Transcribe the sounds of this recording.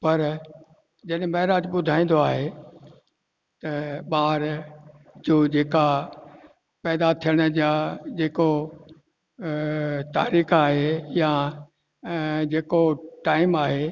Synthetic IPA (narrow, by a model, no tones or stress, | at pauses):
pɐɾ | d͡ʑɐɗɦɪ̃mɐɦɪɾaːd͡ʑɓʊd̪ʱaːĩːn̆d̪oaːɦe | t̪ɐɓaːɦɾ | d͡ʑoːd͡ʑeːka | pɛːd̪at̪ʰijəɽ̃əd͡ʑaːd͡ʑeːko | t̪a̰ːɾiːxaːɦeja | d͡ʑeːkoʈaːɪmaːɦe